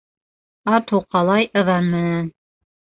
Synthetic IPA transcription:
ɑt̪uqɑlˠɑjɤ̆ðɑmːɘɘn

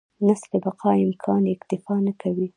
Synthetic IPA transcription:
naslebaqʰɑɪmkʰɑnɪkt̪ɪfɑnakawi

